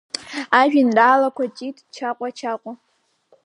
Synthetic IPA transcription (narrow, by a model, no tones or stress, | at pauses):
aːʒʷᶣinraːlɐkʷʰɐt͡ʃʼiːtʼt͡ʃʰaːqʷʼɔt͡ʃʰaːqʷʼɔ